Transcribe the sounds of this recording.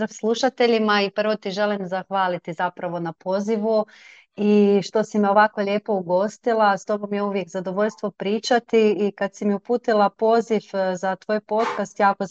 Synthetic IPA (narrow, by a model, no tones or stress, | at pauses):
ɾafslˠuʃat̪e̞ʎimaipr̩ʋot̪iʒe̞limzaxʋaːlit̪izapɾaʋo̞napo̞ːziʋu | iʃt̪o̞simio̞ʋako̞ʎe̞ːpo̞uɡo̞st̪ilˠast̪o̞bo̞mjeuʋje̞kzad̪o̞ʋo̞ʎʲst̪ʋo̞pɾiːt͡ʃat̪iːkad̪simiupuːt̪ilˠapo̞ːzifzat̪ʋoːjpo̞ːt̪kast̪jaːko